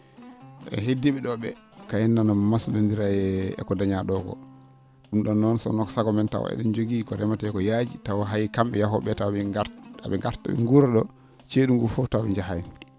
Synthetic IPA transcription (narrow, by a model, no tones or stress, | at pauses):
ɛ̰ɦedːiɓɛɗɔɓɛ | kajɛnːanammasɗondiɾajɛɛ̰kɔdaɲaɗɔkɔ̰ | ɗumɗɔnːɔnsɔ̰nɔkɔ̥saɡɔmɛnta̰w̰ɛ̰ɗɔnd͡ʒoɡikɔɾɛmataɛkɔjad͡ʒitawɦajikamɓɛjaɦɔɓɛtawɛɡaa̰ɓɛŋɡaɾta̰ɓɛ̰ŋɡuɾɛɗɔ | t͡ʃeɗuŋɡufɔtawɓɛɲd͡ʒaɦaji